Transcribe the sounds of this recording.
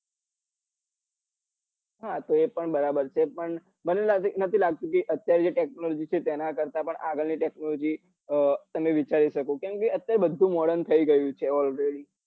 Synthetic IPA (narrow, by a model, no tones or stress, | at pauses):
ɦat̪oepəɳbəɾabəɾt͡ʃʰepəɳ | bənelnət̪ʰilaɡ̚t̪ũkeʔət̪jaɾed͡ʒeʈek̚nolod͡ʒit͡ʃʰet̪ɛnakəɾt̪apəɳʔaɡəɭniʈeknolod͡ʒi | t̪əmeʋit͡ʃaɾiʃəkõkjõmkeət̪jaɾebəd̪ʱːũmɔɽənt̪ʰəiɡəjũt͡ʃʰeɔlɾeɽi